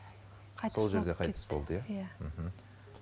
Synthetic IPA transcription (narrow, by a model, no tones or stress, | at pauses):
so̞lˠʒe̞ɾd̪e̞qʰɑjt̪əsbo̞lˠd̪əjam̩ɦm̩